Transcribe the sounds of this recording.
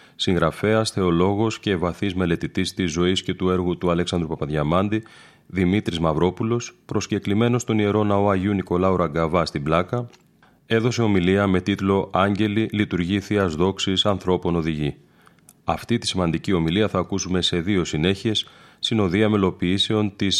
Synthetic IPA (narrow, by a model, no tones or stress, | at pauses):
siŋɣɾɐfe̞ɐsθe̞o̞lo̞ɣo̞sce̞vɐθizme̞le̞t̪it̪ist̪izːo̞isce̞t̪ue̞ɾɣut̪uɐle̞ksɐnd̪ɾupɐpɐðʝɐmɐnd̪i | ðimit̪ɾizmɐvɾo̞pulo̞spɾo̞sce̞klime̞no̞st̪o̞nie̞ɾo̞nɐo̞ɐʝiuniko̞lɐuɾɐɡɐvɐst̪iblɐkɐ | e̞ðo̞se̞o̞miliɐme̞t̪it̪lo̞ʔɐɲɟe̞lilit̪uɾʝiθiɐzðo̞ksisɐnθɾo̞po̞no̞ðiʝi | ɐft̪it̪i̥simɐnd̪icio̞miliɐθɐːkusume̞se̞ðio̞sine̞çie̞sːt̪ino̞ðiɐme̞lo̞piise̞o̞nt̪is